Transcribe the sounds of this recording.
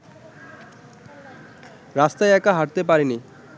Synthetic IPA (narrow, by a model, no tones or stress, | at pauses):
ɾast̪ajɛkaɦaʈt̪ep̬aɾini